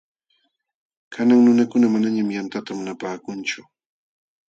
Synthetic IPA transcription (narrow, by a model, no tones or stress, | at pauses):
kʰanaŋnʊnakʊnamanaɲamjant̪at̪amʊnapaːkʊnt͡ʃʊ